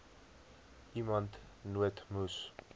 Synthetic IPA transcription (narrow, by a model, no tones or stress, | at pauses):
imant̪ʰnuwet̪ʰmus